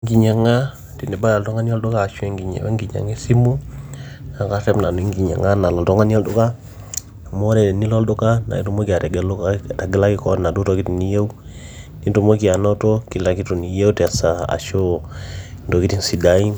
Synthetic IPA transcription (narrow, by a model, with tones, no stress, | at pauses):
ŋɡi˨ɲa˨ŋa˦ | ti˨ni˨ba˦ja˨ltɔ˦ŋa˦n˦o˦ldo˦kaː˦˨ʃu˦e˦˨ŋɡi˨ɲḛ˨we˦ŋɡi˨ɲa̰˨ŋi˦si˦mu˦ | a˨ka˦ɾɛ˦mna˨nu˨i˦ŋɡi˨ɲa̰˨ŋa˦na˨la˨tɔ˦ŋa˦ni˦o˦ldo˦ka˦˨ | mo˦ɾɛ˨de˨ni˦lo˦ldo˦ka˦na̰˨i˦tu˦mo˦ki˨a˨ta˨ɡɛ˦lo˦kata˨ɡe˦la˦ki˦kɔ˦na˨du˦to˦ki˦ti˨ni˦je˦u˦ | ni˦nto˨mo˦ki˨a˨no˦to˦ki˨la˨ki˦tu˨ni˨je˦utɛ˨a˨sa˨a̰˨ʃo˦ | ndo˨ki˦ti˦nsi˨da˦i˦m